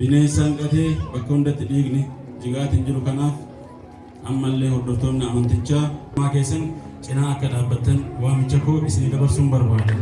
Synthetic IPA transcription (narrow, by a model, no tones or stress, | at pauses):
b̥ɪneːɪsaːŋkʼɐt̪e̞ːbɐkːɐhʊnd̪ɐt̪ːɪᶑiːɡnɪd͡ʒɪɡaːt̪hɪnd͡ʒɪɾʊkɐnaːf | ʔɐ̰mːɐlːe̞ːhɔd̪ːɔɾt̪oːmːɪɐmɐnt̪ɪt͡ʃːaːmaːke̞ːsːɐnt͡ʃʼɪnaːɐkːɐᶑaːbːɐt̪ːɐnwaːmɪt͡ʃːɐkoːɪsɪnɡ̪ɐbɐɾsuːnbɐɾbaːd̪ɐ